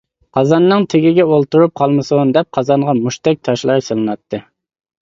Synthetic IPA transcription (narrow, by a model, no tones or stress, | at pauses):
qʰɑzɑnːɨŋt̪ʰɪɡʲɪɡʲɛolˠt̪uɾup̚qʰɑlˠmɨsund̪ɛp̚qʰɑzɑɴʁɑmuʃt̪ɛk̚ʲt̪ʰɑʃlˠɑɾsɨlˠɨnɑt̪ʰːɨ